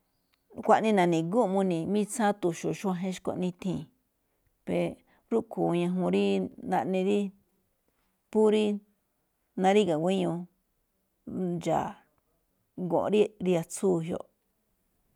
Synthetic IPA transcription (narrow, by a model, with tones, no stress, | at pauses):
kʷa˧ʔnĩ˦˧nã˨nĩ˨ɡu˦˧mũ˧nĩ˨mĩ˦t͡sa˦t̪u˨ʃu˨ʃu˦ã˧ɦẽ˦ʃko̰˧ʔnĩ˧t̪ʰĩː˧˨ | pe˧ | ɾu˦kʰu˨˧ɲã˧ɦũ˧ɾi˦nã˧ʔnĩ˧ɾi˦ | pu˦ɾi˦ | nã˧ɾi˦ɣa˨wʷe˦ɲũ˧ | d͡ʒa̰˨ | ɡõ̰˨ʔɾi˦ɾi˧a˧t͡suː˦˨ɦjo̰˧ʔ